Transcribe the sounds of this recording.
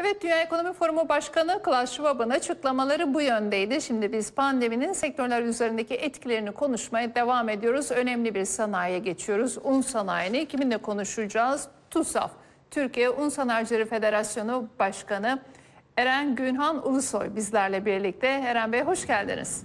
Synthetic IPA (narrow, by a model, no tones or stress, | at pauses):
ɛvɛt̪̚d̪ynjaːeko̞no̞mifo̞ɾumubaʃkanɯkɯlˠaʃvabɯnat͡ʃʰɯklˠamalˠaɾɯbujønd̪ejd̪ɪʃimd̪ibizpʰand̪e̞mininsɛc̚t̪ʰø̞ɾlʲæɾyze̞ɾind̪eciʔɛt̪cʰilʲe̞ɾinikʰo̞nuʃmajad̪e̞vaːme̞d̪ijo̞ɾuzø̞nɛmlʲibiɾsanaːjaɟe̞t͡ʃʰijo̞ɾuzunsanaːjɯnɯcʰimind̪ɛkʰo̞nuʃud͡ʒaːz̥t̪ʰusa̰f | t̪ʰyɾcijɛʔunsanajd͡ʒɯlˠeɾɯfe̞d̪e̞ɾasjo̞nubaʃkanɯ | eɾænɟynɦanṵlˠuso̞̰jbizlʲæɾlʲɛbiɾlʲic̚t̪ʰɛeɾænbejɦo̞ʃɟælʲd̪ḭnḭz̥